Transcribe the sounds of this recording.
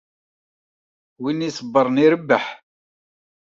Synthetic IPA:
winisəbːəɾˤniɾəbːəħ

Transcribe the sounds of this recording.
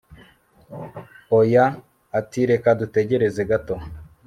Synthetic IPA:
ojaː | tiɾe̞kadute̞ɟe̞ɾe̞zeɡato

